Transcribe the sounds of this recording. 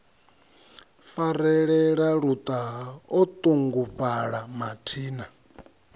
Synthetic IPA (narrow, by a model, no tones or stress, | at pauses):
faɾɛɺɛɺaɺut̪ʼaɦɔt̪ʼuŋɡupʼaɺamatʰiːna